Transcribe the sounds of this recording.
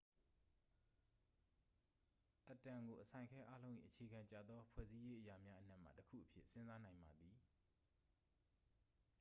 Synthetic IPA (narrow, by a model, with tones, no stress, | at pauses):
ʔə˨tã˨ŋɡo˨ʔəsʰã˨ɪ̃ŋkʰɛ˦ʔa˦lõ˦ʊ̃ʔḭ˦˨ʔət͡ɕʰe˨ɡã˨ɲt͡ɕa̰˨d̪ðɔ˦pʰwɛ̰˦˨zi˦je˦ʔəja˨mja˦ʔən̥a˦ʔm̥a̰˦˨təkʰṵ˦˨ʔəpʰjɪ̰˦ʔsɪ̃˦nza˦nã˨ɪ̃mba˨d̪ði˨